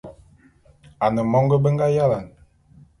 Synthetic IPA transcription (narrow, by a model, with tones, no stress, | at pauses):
a˨nə˨mɔ˦ŋɡə˦bə˦ŋɡa˦ja˦la˨n